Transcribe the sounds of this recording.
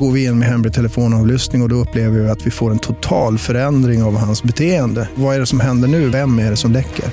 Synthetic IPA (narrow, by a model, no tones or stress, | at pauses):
ɡoːɾvɪɪnːmɛɦɛmɾɪt̪ʰɛləfoːnɑːvlʏst̪nɪŋɔd̪ɔɵpːleːvəɾɪat̪vɪfoːɾɛnt̪ʰʊt̪ʰɑːlfœɾɛnd̪ɾɪŋavhansbɛt̪ʰeːənd̪əvaæɖɛsɔmɦɛnd̪əɳʉ̟ːvɛmːæɖɛsɔmlɛkːə̰ɾ